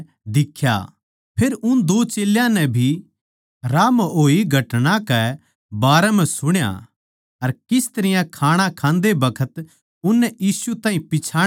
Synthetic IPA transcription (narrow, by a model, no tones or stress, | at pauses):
d̪ɪkʰːja̰ | pʰeːɾʊnd̪oːt͡ʃeːljãnɛbʱi | ɾaːmoːiɡʱɐʈnãkɛ | baːɾɛmɛ̃sʊɽ̃ja̰ | ɐɾkɪst̪ɐɾɪjãkʰaːɽ̃akʰãːnd̪ebɐkʰət̪ | ʊnːɛjiːsut̪ãːɦĩpɪt͡ʃʰaː